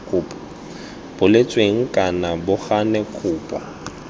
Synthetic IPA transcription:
kʰʼʊːpʼ | b̥ʊlet͡sʼweŋ̩kʼanabʊχanɛkʰʊːpʼwa

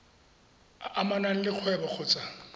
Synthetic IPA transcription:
amanan̩lɪq͡χʰwɛbak͡xʰʊt͡sʼa

